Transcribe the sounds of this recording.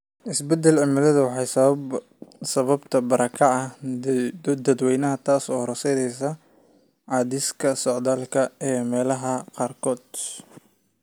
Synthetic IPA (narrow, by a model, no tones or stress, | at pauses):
ʔɪsbɛd̪ɛlʕɪmɪlɐðɐwɑħɑjsɐb | sɐβɐbt̪ʰɐbɐɾɐkʰɐʔɐ | d̪ɐd̪wɛjnɐɦɐt̪ʰaːsɔːɾɐsɛðɛjsɐ | ʕɑːd̪ɪskʰɐsɔʕd̪aːlkʰɐɛːmɛːlɐɦɐqɑːrkʰɔːd̪